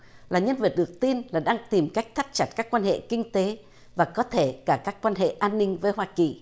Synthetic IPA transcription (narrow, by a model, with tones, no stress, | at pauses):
laː˨˩ɲə˧nvə˨˩t̚ɗɨ˨˩ək̚t̪i˧nlaː˨˩ɗaː˧ŋt̪i˨˩mka˦˥jk̟̚t̪ʰa˦˥t̚t͡ɕa˦˩t̚kaː˦˥kːwaː˧nhḛ˧˨kï˧ŋ̟t̪e˨˦ | vaː˨˩kɔ˨˦t̪ʰe˧˩kaː˧˩kaː˦˥kːwaː˧nɦḛ˧˨ʔaː˧nːï˧ŋ̟vəː˨˦jɦwaː˧ki˨˩